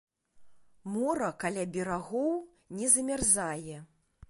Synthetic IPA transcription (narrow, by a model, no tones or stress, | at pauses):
mɔɾɐkalʲabʲɛɾaɣɔw | nʲɛzɐmʲarzajɛ